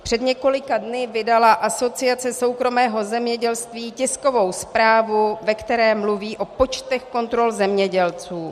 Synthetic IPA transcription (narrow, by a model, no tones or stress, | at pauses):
pr̥ɛdɲɛko̞lɪkadnɪvɪdalaʔaso̞t͡sɪat͡sɛso̞wkɾo̞mɛːɦo̞zɛmɲɛɟɛlst̪viːcɪsko̞vo̞wspɾaːvuvɛkt̪ɛɾɛːmluviːʔo̞po̞t͡ʃt̪ɛxko̞nt̪ɾo̞lzɛmɲɛɟɛlt͡suː